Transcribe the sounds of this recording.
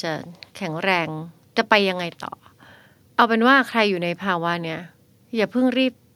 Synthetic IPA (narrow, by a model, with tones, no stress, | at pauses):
a˧˩kʰɛ˨˩˦ŋɾɛː˧ŋ | t͡ɕa˨˩pa˧jːa˧ŋːa˧jt̪ɔ̰ː˨˩ | ʔa˧wpe˧nwaː˥˩kʰɾa˧jːuː˨˩na˧jpʰaː˧wa˧˥ni˥˩ɐ | jaː˨˩pʰɯ˥˩ŋɾiː˥˩p̚